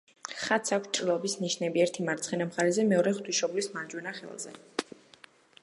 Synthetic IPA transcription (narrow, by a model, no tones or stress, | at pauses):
χat̪sʰakʷʰst͡ʃʼɾilˠɔbisniʃnɛbiɛɾt̪ʰimaɾt̪sʰχɛnamχaɾɛzɛmɛɔɾɛχt̪ʰwiʃɔblismaɾd͡ʒwɛnaχɛ̰lˠzɛ̰